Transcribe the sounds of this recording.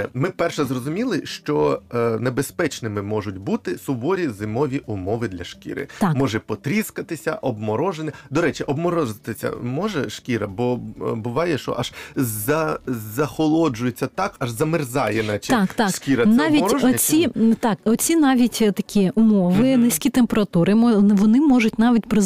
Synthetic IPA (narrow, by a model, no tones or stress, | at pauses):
ɛmɪpɛrʃɛzrɔzʊmʲilˠɪʃt͡ʃɔnebespɛt͡ʃnɪmɪmɔʒʊt̚ʲbut̪ɪsʊbɔɾʲizɪmɔʋʲiʔʊmɔʋɪd̪lʲɐʃkʲḭɾɪ̰mɔʒɛpɔt̪ɾʲiskɐt̪ɪsʲɐ̰ʔɔbmɔɾɔʒenɪd̪ɔɾɛt͡ʃɪʔɔbmɔɾɔʒɪt̪ɪsʲɐ̰mɔʒɛʃkʲiɾɐbɔbʊʋɑjɛʃɔ̰ʔaʒzɐzɐxɔlˠɔd͡ʒʊjet͡sʲːɐt̪ɑkɐʒzɐmɪrzɑjɛnɐt͡ʃt̪ɑkt̪ɑʂkʲiɾɐnɑʋʲitɔɔt͡sʲit̪ɑkɔt͡sʲinɑʋʲitʲt̪ɐkʲiʊmɔʋɪnɪsʲkʲit̪empeɾɐt̪uɾɪmɔʋɔnɪmɔʒʊtʲnɑʋʲitʲpɾɪ